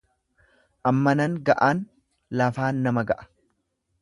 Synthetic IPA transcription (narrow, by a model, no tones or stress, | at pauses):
ʔɐmːɐnɐŋɡɐʔaːn | lɐfaːnːɐmɐɡɐʔɐ̥